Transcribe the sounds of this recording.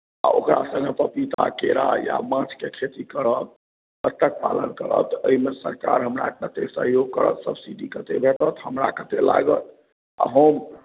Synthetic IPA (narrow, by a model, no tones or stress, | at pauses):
a̰okɾasə̃ŋɡepəpit̪akeɾaja̰mãt͡ʃʰkekʰet̪ikəɾət̪̚ | ət̪ːək̚palənkəɾə̰t̪əimesəɾkaɾɦəmɾa̰ət̪esəɦjoɡ̚kəɾə̰t̪səbʱsiɖikət̪ebʱeʈət̪ɦəmɾakət̪ela̰ɡət̪̚ | a̰ɦəm